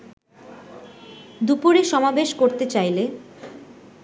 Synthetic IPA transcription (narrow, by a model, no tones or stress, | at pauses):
d̪upuɾeʃɔmabeʃkoɾt̪et͡ɕajle